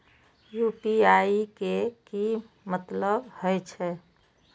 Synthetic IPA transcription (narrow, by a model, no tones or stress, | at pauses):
jupiaikeki | mət̪ləbhəjt͡ʃʰɛ